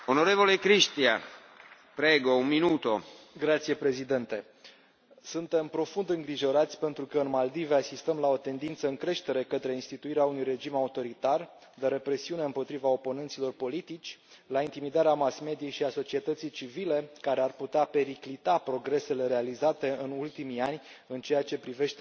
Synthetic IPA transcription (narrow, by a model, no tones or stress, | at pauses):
onoɾevolekɾiʃt̪ia̰ | pɾeɡounminut̪oɡɾat̪sije̞pɾe̞zid̪e̞nt̪e̞ | sunt̪e̞mpɾo̞fund̪ɨŋɡɾiʒo̞ɾat̪sʲpe̞nt̪ɾukəɨnmald̪iveasist̪əmlao̞t̪e̞nd̪int̪səɨŋkɾe̞ʃt̪e̞ɾe̞kət̪ɾe̞inst̪it̪uiɾeaunujre̞d͡ʒimaut̪o̞ɾit̪ar | d̪eɾe̞pɾe̞siune̞ɨmpo̞t̪ɾivao̞po̞nent̪silo̞rpo̞lit̪it͡ʃʲlaint̪imid̪aɾeamasme̞d̪ijejʃiaso̞t͡ʃie̞t̪ət̪sijt͡ʃivile̞kaɾearput̪eape̞ɾiklit̪apɾo̞ɡɾe̞se̞le̞ɾe̞alizat̪e̞ɨnult̪imijanʲ | ɨnt͡ʃe̞jat͡ʃe̞pɾive̞ʃt̪e